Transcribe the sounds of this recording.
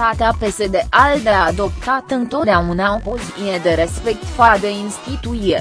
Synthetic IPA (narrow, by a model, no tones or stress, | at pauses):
at̪eape̞se̞d̪e̞ʔald̪ead̪o̞p̚t̪at̪ɨnt̪o̞t̪d̪eaunaopoziined̪eɾe̞spe̞k̚t̪fad̪einst̪it̪uie